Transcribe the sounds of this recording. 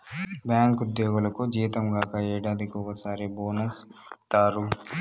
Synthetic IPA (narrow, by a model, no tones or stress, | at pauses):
bjaːŋkud̪jɔːɡulɐkud͡ʒiːt̪ɐmɡaːkɐɛːɽaːd̪ikɔkɐsaːɾiboːnɐst̪aːɾu